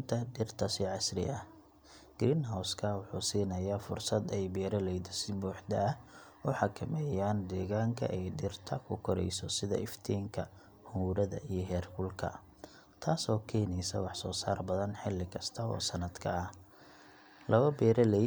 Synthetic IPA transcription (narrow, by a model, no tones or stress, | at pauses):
nt̪ʰɐɖɪrt̪ʰɐsɪʕɑsrɪ̰ʔɐ | ɡ̥ɾɪnɦawskʰɐwʊħuːsiːnɐjaːfʊrsɐd̪ɛjbɛːɾɐlɛjd̪ɐsɪbuːħd̪ɐɐ | ʊħɑkʰɐmɛːjaːnd̪ɛːɣaːŋkʰɐ̰ʔɛjɖɪrt̪ʰɐkʰʊkʰɔɾɛ̰jsɔsɪðɐ̰ʔɪft̪ʰiːŋkʰɐ | huːɾɐðɐ̰ʔijɞɦɛːrkʊlkʰɐ̰ | t̪ʰaːsɔːkʰɛːjnɛjsɐ̰wɑħsɔːsaːrbɐðɐnħɪlːɪkʰɐst̪ʰɐɔ̰ːsɐnɐd̪̥kʰɐ̰ɐh | lɐβɐbɛːɾɐlɛj